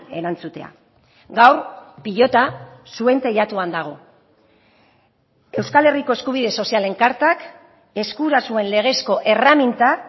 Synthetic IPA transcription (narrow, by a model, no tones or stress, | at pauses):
e̞ɾant͡sut̪e̞a̰ | ɡawrpiʎo̞t̪asue̞nt̪e̞ʎat̪uand̪aɣ̞o̞ | e̞wskale̞riko̞e̞skuβ̞iðe̞so̞siale̞ŋkaɾt̪ak | e̞skuɾasue̞nle̞ɣ̞e̞sko̞ʔe̞ramint̪a